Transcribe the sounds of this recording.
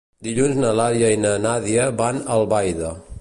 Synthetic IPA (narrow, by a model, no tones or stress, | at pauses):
d̪iʎunznəlaɾjəinənaðiəβanəlˠβajðə